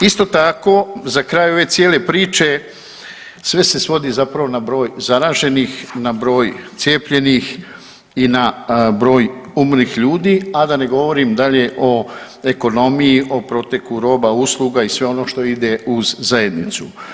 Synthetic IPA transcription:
ist̪o̞t̪ako̞zakɾaːjo̞ʋe̞sjeːle̞pɾiːt͡ʃe̞ | sʋe̞se̞sʋo̞d̪izapɾaʋo̞nabɾo̞ːjzaɾaːʒe̞nixnabɾo̞ːjt̪sje̞ːpʎe̞nix | inabɾo̞ːjumɾnixʎuːd̪iːad̪ane̞ɡo̞ʋo̞ɾimd̪aʎe̞ʔo̞ | e̞ko̞no̞mijiʔo̞pɾo̞t̪e̞kluɾo̞ːbauslˠuɡaisʋe̞o̞no̞ːʃt̪o̞id̪e̞uzzaje̞d̪nit̪su

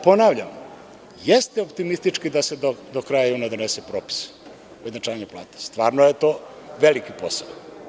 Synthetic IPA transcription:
po̞naʋʎam | jest̪eopt̪imist̪it͡ʃkid̪ased̪od̪okɾajajuːnad̪onesepɾoːpi̥s | ujeznat͡ʃaːʋaɲeplˠa̰ːt̪e̥st̪ʋaːɾnojet̪o̞ːʋelikipo̞sa̰o

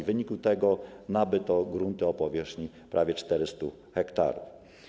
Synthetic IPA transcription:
vɘɲikut̪ɛɡɔnabɘt̪ɔɡɾunt̪ɘɔpɔvʲjɛʂxɲi | pɾʔavʲjɛt͡ʂt̪ɛɾɘst̪u | xɛkt̪a̰ɾṵf

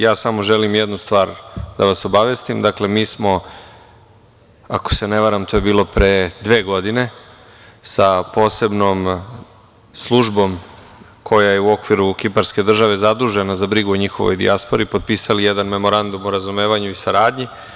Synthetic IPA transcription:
jaːsamo̞ʒelimjed̪nust̪ʋaːɾd̪aʋaso̞baʋe̞st̪imd̪akle̞miːsmo̞ | ako̥se̞neʋaɾamt̪ʰoːje̞biːlo̞pɾed̪ʋe̞ːɡo̞d̪ine̞ | sapo̞ːse̞bno̞ːm | slˠuʒbo̞m | kʰo̞jajeuo̞kʋiɾukipaɾske̞d̪r̩ʒaʋe̞zad̪ɾuʒe̞nazabɾiɡuoɲixo̞ʋojd̪ḭaspo̞ɾiːpo̞d̪̚piːsalijed̪anme̞mo̞ɾand̪umuɾazume̞ːʋaɲuisaɾaːd̪ɲi

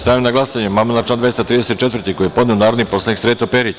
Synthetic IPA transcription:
st̪aʋimnaɡlˠasaɲemamelat͡ʃlaːnd̪ajest̪ɾiːd̪eset̪t͡ʃe̞t̪vɾrt̪iko̞jijepo̞d̪neonaːɾd̪nipo̞slˠaniksɾeːt̪opeɾit͡s

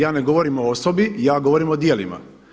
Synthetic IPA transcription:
jaːne̞ɡo̞ʋo̞ɾimo̞osobijaːɡo̞ʋoɾimo̞d̪jelḭma̰

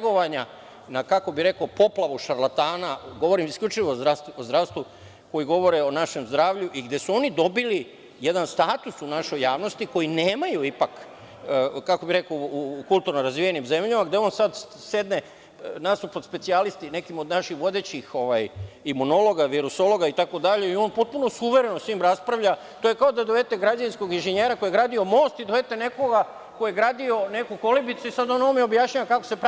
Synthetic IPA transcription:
ɡo̞ʋaɲa | nakako̞biɾe̞kopo̞plˠaʋuʃaɾlˠat̪aːnaɡo̞ʋo̞ɾimiskʎʲut͡ʃiʋoɾast̪uozd̪ɾaʋst̪ʋu | ko̞jiɡo̞ʋo̞ɾeo̞naʃe̞mzd̪ɾaːʋʎuʔiɡd̪je̞suo̞nid̪o̞bili | je̞d̪anst̪aːt̪usunaʃo̞jːaːʋno̞st̪iko̞jineːmajuipak | kako̞biɾe̞koukulˠt̪uɾnoɾazʋijenimze̞mʎamaɡd̪eo̞ːnsad̪ | se̞d̪ne | nasupod̪spesialist̪ine̞kimo̞d̪naʃixʋo̞d̪e̞t͡ɕixo̞ʋajimuno̞lˠo̞ɡaʋiɾuso̞lˠo̞ɡait̪ako̞d̪aʎe̞io̞ːnpo̞t̪̚puno̞suʋe̞ɾe̞nosʋiːmɾaspɾaʋʎa | t̪ojekaod̪ad̪oʋe̞t̪e̞ɡɾad͡ʑaninskoɡinʒeɲe̞ːɾako̞jeɡɾaːd̪io̞mo̞ːst̪id̪oʋe̞t̪ene̞ko̞ɡa | ko̞jeɡɾaːd̪io̞ne̞kuko̞libit̪suisad̪onomjeobjaʃɲaʋakako̥sep

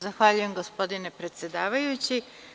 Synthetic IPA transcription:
zaxʋaʎuje̞mɡo̞spo̞d̪ine̞pɾe̞t̪sje̞d̪aːʋajut͡ɕi

